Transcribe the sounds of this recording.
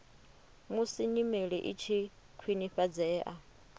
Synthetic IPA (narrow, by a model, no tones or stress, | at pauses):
musiɲimeɺɛʔit͡ʃʰi | kʰwiniɸad͡zɛːʔa